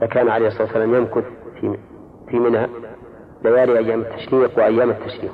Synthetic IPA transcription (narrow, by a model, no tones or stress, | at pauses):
ʔðakaːnʕaleːhsˤɑɑːt̪ːsːalaːmjamkʊθfi | fimɪnha | lajaːɾiʔajːaːmat̪ʰːḁʃɾiːqwɪʔajːaːmat̪ʰːaʃɾiːq